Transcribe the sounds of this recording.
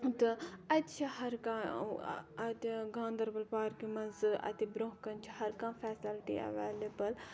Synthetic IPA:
t̪ɨɐt̪t͡ʃʰihɐɾkã̰ː | ɐt̪iɡãːnd̪ɐɾbɐlpaːɾkimɐnzɨɐ̰t̪ibɾõːkɐnt͡ʃʰi̥hɐɾkãːfɛːsilʈḭɐ̰ʋeːlɐbɐl

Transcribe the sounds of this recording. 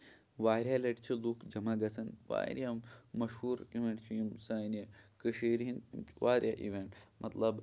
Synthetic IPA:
ʋaːɾʲalɐʈt͡ʃʰid̪ukʰd͡ʒɐmɐɡɐt͡sʰɐnʋa̰ːjɾjɐmmɐʃhuːɾiʋeɳʈt͡ʃʰijimsaːnjɐkɨʃiːɾɦint͡ʃʋaːɾʲjaʔḭʋeɳʈmɐt̪lɐb

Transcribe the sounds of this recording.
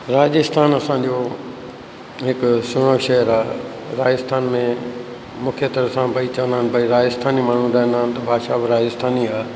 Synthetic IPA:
ɾaːd͡ʑɪst̪ʰaːnɐsãɲd͡ʑo | ɦɪksʊɽ̃oʃɐɦəɾaː | ɾaːd͡ʑɪst̪ʰaːnmẽ | mʊ̃ːkʰet̪əɾəsãbɐit͡ɕɐʋə̃nd̪aɦɪnɪ̆bɐiɾaːd͡ʑɪst̪ʰaːnimaːɳ̤ũɾɐɦə̃nd̪aːɦɪnɪ̆t̪ɐbʱaːʃaːbɾaːd͡ʑɪst̪ʰaːniaː

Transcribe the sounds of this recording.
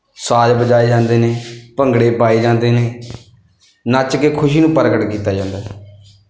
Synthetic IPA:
saːd͡ʒbəd͡ʒaːeːd͡ʒãːnd̪eːneːpəŋɡɽeːpaːiːd͡ʒãːnd̪eːneː | nat͡ʃkeːkʰʊʃiːnũːpəɾɡəʈkiːt̪aːd͡ʒãːnd̪aː

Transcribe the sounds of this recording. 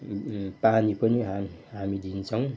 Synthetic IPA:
panipəniɦamiɦamidint͡saŋ

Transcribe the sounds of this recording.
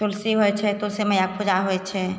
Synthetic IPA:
tʊlsiɦoɛt͡ʃʰɛt̪oseməjakʰod͡ʒaɦoɛt͡ʃʰɛ

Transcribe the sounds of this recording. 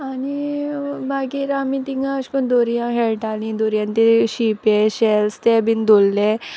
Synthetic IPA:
añi | bakiɾamĩt̪iŋɡãskond̪oɾijãɦeɭʈalĩːd̪oɾijãnt̪iɾɕiːpeɕelst̪ebind̪olːe

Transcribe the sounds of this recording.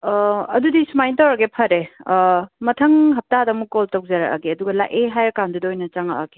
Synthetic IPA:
ɐdudisumajntɐwɾɐɡepʰɐɾe | mɐtʰɐŋɦɐp̚tadɐmukːoltɐwk̚zɐɾɐ̰ʔɐ̰ɡeɐduɡɐla̰ʔeɦajɐkandudɐojnɐt͡ʃɐŋɐ̰ʔɐɡe

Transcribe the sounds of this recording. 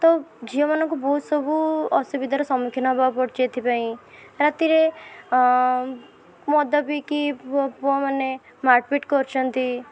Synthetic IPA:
t̪ɔd͡ʒiomanɔŋkubɔut̪sɔbuɔsubid̪ʱaɾɔsɔmukʰjinababpɔɽt͡ʃiet̪ʰipaĩɾat̪iɾe | mɔd̪ɔbikipɔmane | maɾʈpiʈkɔɾt͡ʃʰɔnt̪i

